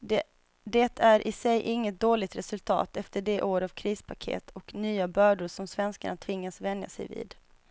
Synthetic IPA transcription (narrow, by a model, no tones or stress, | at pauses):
d̪ɛt̪ʰæɾʔɪsɛjʔɪŋːət̪̚d̪oːlɪɡt̪ɾɛsɵlt̪ʰɑ̰ːt̪ɛft̪əɖɛʔoːɾavkʰɾiːspʰakʰḛːt̪ʰɔknyːabœːɖʊɾʂɔmsvɛnskaɳat̪ʰvɪŋːasvɛnd̪ja̰sɛ̰jvḭːd̪